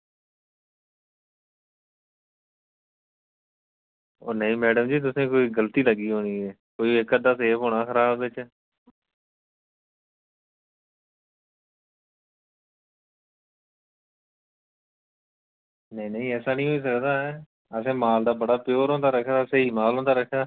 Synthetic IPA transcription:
o̰ːnəĩːmɛːɖəmd͡ʒiːt̪̬ʊsẽːkoːiːɡəlt̪iːləɡiːɦoːniːɛː | koːiɪkəd̪aːseːpoːnaːxəɾaːbːɪt͡ʃ | nəĩːnəĩːɛːsaːnĩːɦoːiːs̬əkd̪aːɛ | əs̬ẽːmaːld̪aːbəɽaːpɪjoːɾõːd̪aːɾəkʰd̪aːəseːiːmaːlɦõːnd̪aːɾəkʰaː

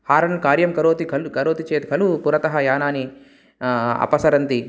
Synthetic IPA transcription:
haːɾɐnlukaːɾjɐmkɐɾoːt̪ikʰɐlkɐɾoːt̪it͡ʃeːt̪kʰɐlupuɾɐt̪ɐɦɐjaːnaːni | ɐ̰pɐsɐɾɐnt̪i

